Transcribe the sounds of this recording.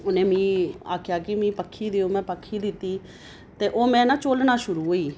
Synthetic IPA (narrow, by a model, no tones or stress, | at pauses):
ʊnẽːmĩːa̰ːkʰjaːkɪmĩːpəkʰːiːd̪eːoːmɛ̃ːpəkʰːiːd̪ɪt̪ːiː | t̪eːʔoːmɛ̃ːnãːt͡ʃoːlnãːʃʊɾuːɦoːiː